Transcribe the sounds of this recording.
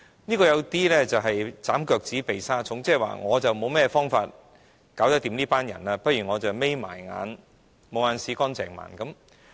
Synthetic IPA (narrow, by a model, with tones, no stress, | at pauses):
niː˥kɔː˧jɐ˨˧wt̪iː˥lɛː˥t͡sɐ˨wɦɐ˨jt͡saː˨˥mkœː˧k̚t͡siː˨˥pe˨jsaː˥t͡sʰʊ˨˥ŋt͡sɛː˥˨˩wa̰ː˨ŋɔː˨˧t͡sɐ˨wmo˨˧wmɛː˥fɔː˥ŋfa̰ː˧t̚ | kaː˨˥wt̪ɐ˥k̚t̪iː˨˧mniː˥paː˥njɐ̰˨˩naː˧pɐ˥t̚jyː˨˩ŋɔː˨˧t͡sɐ˨wme˥jma̰ː˨˩jŋa̰ː˨˧n | mo˨˧wŋaː˧nsiː˨˧kɔː˥nt͡sɛ̰ː˨˩ŋma̰ː˨˩nkɐ˨˥m